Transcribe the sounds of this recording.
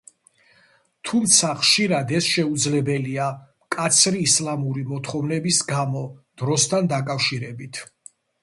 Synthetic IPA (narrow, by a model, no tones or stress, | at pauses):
t̪ʰumt̪sʰaχʃiɾad̪ɛsʃɛud̪zlɛbɛliamkʼat̪sʰɾiːslˠamuɾimɔt̪ʰχɔvnɛbisɡamɔd̪̥ɾɔst̪ʰand̪akʼafʃiɾɛbit̪ʰ